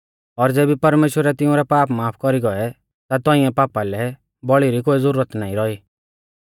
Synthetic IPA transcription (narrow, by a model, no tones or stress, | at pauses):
ɔɾd͡zeːbipɐɾmeːʃwəɾɛt̪ɪũɾɛpaːpmaːpʰkɔɾiɡɔɛ | t̪at̪ɔĩɛ̃paːpalɛ | bɔɭiɾikoːizʊɾuːɾət̪naːĩɾɔiː